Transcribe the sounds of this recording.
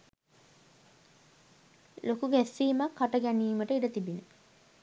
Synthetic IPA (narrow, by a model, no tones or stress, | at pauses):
lokuɡæsːiːmakʰːaʈəɡɛniːməʈəiɖət̪ibinə